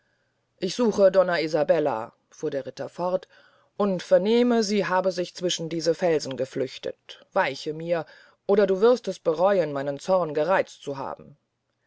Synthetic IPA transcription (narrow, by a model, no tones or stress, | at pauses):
ʔɪçz̥uːxədɔnaizabɛla̰ | fuːɐdeːɐʁɪtɐfɔʁt | ʔʊntfɛɐneːməziːɦaːbəzɪçt͡sv̥ɪʃn̩diːzəfɛlzn̩ɡəflʏçtə̰tv̥aɪçəmiːɐ | ʔoːɾɐduːvɪʁstɛsb̥əʁɔʏənmaɪnənt͡sɔʁnɡəʁaɪt͡stt͡suɦa̰ːbm̩